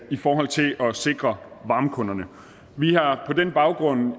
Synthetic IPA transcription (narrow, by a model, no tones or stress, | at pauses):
ifɒːɦɒ̽l̰t͡sʰe̝lʔɒ̽se̝ɡ̥ʁɐʋɑ̈ːmkʰɔ̽nɐnə | ʋihɑ̈pʰɒ̽d̥enb̥ɑ̈ʊɡ̥ʁɔ̽n̰